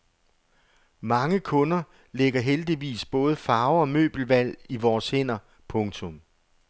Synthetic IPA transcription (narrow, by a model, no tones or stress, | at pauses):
mɑ̈ŋəkʰɔ̽nɐ | leɡ̥ɐɦeld̥iʋḭːsb̥ɔ̽ːð̞̩ˠfɑ̈ʊɒ̽mø̰ːb̥l̩ʋæl̰iʋɒːshe̝n̰ɐ | pʰɔ̽ŋt͡sʰɔ̽m